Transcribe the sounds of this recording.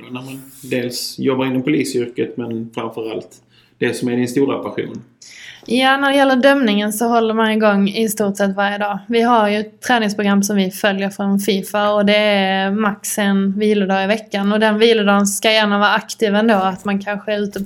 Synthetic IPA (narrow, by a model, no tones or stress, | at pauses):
næmand̪eːlsjɔbːaɾɪnːɔmpʰʊliːsʏɾkət̪mɛnfɾamfœɾa̰lt̪ | d̪̥eːlsɔmæɖɪnst̪uːɾa̰pʰæɧṵːn | jɑːnæɖɛjɛlːəɖœmnɪŋənsɔɦɔlːəɾmanɪɡɔŋːɪst̪uːʈsɛt̪ːvaɾjəd̪ɑːvɪɦaɾjɵt̪ʰːɾɛːnɪŋspʰɾʊɡɾamːsɔmvɪfœljəɾfɾɔnfiːfaɔd̪ɛæmaksɛnviːlʊd̪ɑːɪvɛkːanɔd̪ɛnviːlʊd̪ɑːɡənskajæːɳavɑːɾakt̪ʰiːvɛnd̪oːat̪mankʰanɧəɛɾʉ̟ːt̪ə